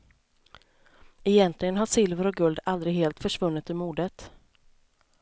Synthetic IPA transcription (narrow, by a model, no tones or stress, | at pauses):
ɛjɛnt̪ʰlɪɡənɦaʂɪlvəɾɔk̚ɡɵld̪ald̪ɾɪɡɦeːlt̪fœʂvɵnːɪt̪ɵmuːd̪ət̪